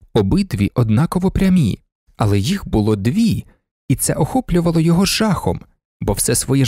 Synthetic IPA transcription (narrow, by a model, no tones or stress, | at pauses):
ɔbɪd̪ʋʲiʔɔd̪nɑkɔʋɔpɾʲɐmʲḭ | ɐlˠɛjixbʊlˠɔd̪ʋʲi | it̪sɛʔɔxɔplʲʊʋɐlˠɔjɔɦɔʒɑxɔ̰m | bɔwsɛsʋɔjɛ